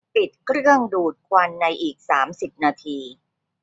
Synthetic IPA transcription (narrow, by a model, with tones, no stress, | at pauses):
pi˨˩t̪̚kʰɾɯ˥˩əŋduː˨˩t̪̚kʰwa˧nːa˧jʔiː˨˩k̚saː˩˦msi˨˩p̚naː˧t̪ʰiː˧